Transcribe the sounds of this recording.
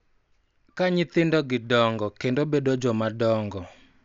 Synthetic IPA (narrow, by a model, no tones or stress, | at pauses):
kaɲɪt̪ɪndɔɡɪdɔŋɡɔkendobedod͡ʒomadɔŋɡɔ